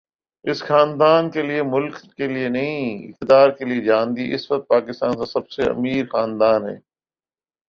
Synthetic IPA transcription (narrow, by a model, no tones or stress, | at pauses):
ɪsxaːnd̪aːnkeliemʊlkːelienɐɦĩɪ̰k̚t̪ɪd̪aːɾkelied͡ʒãːnd̪iʔɪsʋɐk̚t̪̚paːkɪst̪aːnsãsɐbseɐ̰miːɾxaːnd̪aːnɦɛ̰ː